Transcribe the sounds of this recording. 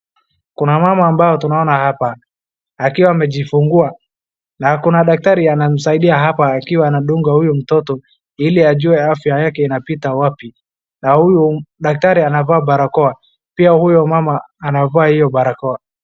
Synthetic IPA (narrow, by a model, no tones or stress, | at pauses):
kunamamaːmbajɔtunaɔnahapaː | kiwaːmɛʄifuŋɡua | nakunaɗak̚taɾianam̩saiɗiaɦapaːkiwaːnaɗuŋɡahujum̩tɔtɔ | iliaʄuɛafjajakɛinapitawapi | nahujuɗak̚taɾianavaːɓaɾakɔa | piahujɔmamaː | navaahijɔɓaɾakɔa